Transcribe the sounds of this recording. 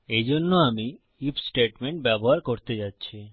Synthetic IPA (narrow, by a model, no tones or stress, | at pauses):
ed͡ʑonːoami | ipsʈeʈmeɳʈ̚bɛboɦaɾkoɾt̪ed͡ʑatːɕʰi